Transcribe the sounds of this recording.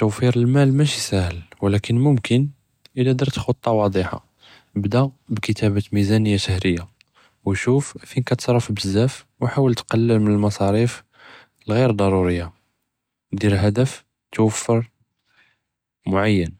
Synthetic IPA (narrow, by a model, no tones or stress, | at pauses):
t̪ːuwfiɾəlmælmæʃisæhəlwlækənmʊmkən | ʔəlːæd̪əɾt̪xot̪ˤːɑwɑd̪ˤiħa̰ | bd̪æbkət̪ʰæbæt̪mizænəjːaʃəhɾəjːa | wʃuffinkæt̪sˤɾˤɑfbəzːæf | wħawəlt̪qɑlːəlmənəlmɑsˤɑɾif | əlɣiɾd̪ˤɑɾˤuɾəjːa | d̪iɾɦæd̪əf | t̪wəfːəɾ | mʊʕajːən